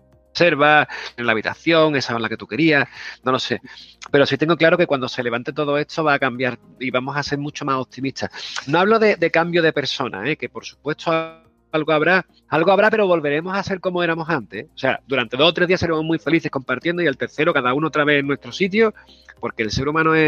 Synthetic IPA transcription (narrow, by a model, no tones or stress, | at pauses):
se̞ɾβaenlaβit̪a̰θjo̞ŋe̞saonlake̞t̪uke̞ɾiahno̞lo̞se̞pe̞ɾo̞sit̪e̞ŋɡo̞klaɾo̞ke̞kwand̪ose̞le̞βant̪et̪o̞ðo̞e̞t̪ʰo̞βaːkambjaɾ | iβamo̞sase̞ɾmut͡ʃo̞maso̞p̚t̪imiht̪ʰano̞aβlo̞ðe̞d̪e̞kambjoðe̞pe̞ɾso̞nʔa̰e̞ke̞poɾsu̥pwe̞t̪ʰo | alɣoaβɾa | alɣoaβɾape̞ɾo̞βo̞lβe̞ɾe̞mo̞sase̞ɾko̞moe̞ɾamo̞sant̪e̞ose̞a̰d̪uɾant̪e̞ðo̞ot̪ɾe̞ðiaseɾemoɦmwife̞liθe̞hko̞mpaɾt̪jend̪oielt̪e̞ɾθeɾokaðaunaot̪ɾaβe̞henwe̞st̪ɾo̞sit̪̬jo | po̞ɾke̞ːlse̞ɾumãnoe